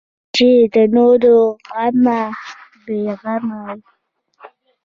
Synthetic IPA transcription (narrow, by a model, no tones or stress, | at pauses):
d͡ʒid̪ənoɾoama | beɣamaj